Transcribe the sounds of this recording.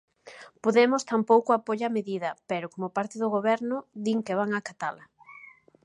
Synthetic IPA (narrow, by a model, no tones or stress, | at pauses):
poðemʊst̪ampowkʊapoʎameðiðɐpɛɾʊkomʊpaɾt̪ɪðʊɣoβɛɾnʊd̪iŋkeβaŋakat̪alɐ